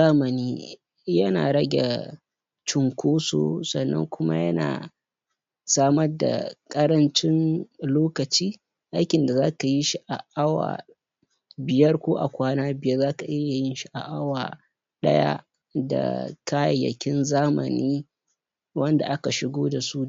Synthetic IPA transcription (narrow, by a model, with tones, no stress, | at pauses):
aː˦mɐ˨niː˦ | jɐ˦na̰ː˨ɽɐ˦ɡʲḛ˨ | t͡ʃʊ˨ŋkʷoː˦so̰ː˦sɐ˨nːɐ̰˦ŋkʷʊ˦ma̰˦jɐ˦na̰ː˨ | saː˦mɐ˦rda̰˨kʼɐ˦ɾɐ˦nt͡ʃɪ˦nloː˦kɐ˨t͡ʃiː˦ | ʔa˦jkʲɪ˨nda˨zaː˦ka˨ji˦ʃi˦ʔa˨ʔa˦wa̰ː˨ | bɪ˨jɐ˦rkʷoː˦ʔa̰˨kʷaː˦naː˦bɪ˨jɐ˦rzaː˦ka˨ʔɪ˦ja˨jɪ˦nʃi˦ʔa˨ʔa˦waː˨ | ɗɐ̰˦ja̰˦ | da̰˨kaː˦jɐ˨jːɐ̰˨kʲɪ˦nzaː˦mɐ̰˨niː˦ | wʔɐ˦nda̰˨ʔa˦ka˨ʃɪ˦ɡʷoː˦da˨su˦